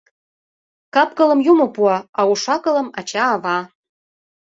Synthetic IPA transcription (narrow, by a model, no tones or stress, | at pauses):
kɑpkɤ̆lɤ̆mjumŏpuɑɑuʃɑkɤ̆lɤ̆mɑt͡ɕɑːβɑ